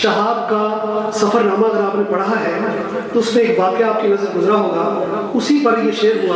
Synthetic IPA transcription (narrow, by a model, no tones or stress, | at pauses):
ʃɐɦaːb̚kasɐfʰəɾːaːmaɐɡəɾaːpnẽbɐɽaɦaɦɛ | t̪oʊsmẽːkʋaːkjaːp̚kinɐzəɾɡʊzɾaɦoːɡa | ʊsipɐɾjeʃeːɾɦoa